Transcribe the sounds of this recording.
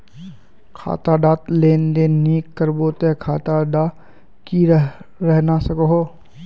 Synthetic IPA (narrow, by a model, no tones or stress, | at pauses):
kʰa̰ːt̪aɖaːt̪leːnd̪eniːkːəɾboːt̪ekʰaːt̪aɖa | kiɾɾɛɦnasəkoɦoː